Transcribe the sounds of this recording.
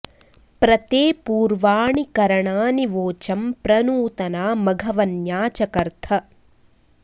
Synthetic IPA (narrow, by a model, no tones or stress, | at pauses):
pɾɐt̪eːpuːɾʋaːɳikɐɾɐɳaːniʋoːt͡ʃɐmpɾɐnuːt̪ɐnaːmɐɡʱɐʋɐnjaːt͡ʃɐkɐɾt̪ʰɐ